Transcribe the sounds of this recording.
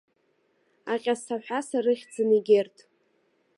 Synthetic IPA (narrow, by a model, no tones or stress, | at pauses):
aqʲʼasʰaħʷᶣasarɨχʲd͡zɨniɡʲertʼ